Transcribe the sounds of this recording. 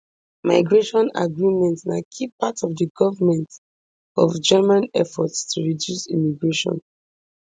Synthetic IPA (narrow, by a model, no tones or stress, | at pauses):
maɪɡɹeʃɔ̃na̰ɡɹimɛ̃ntnakʰipːatɔvdəɡɔvəmɛ̃nt | ɔvd͡ʒɛmãnɛfɔtstʰuɹidjusḭmiɡɹeʃɔ̰̃n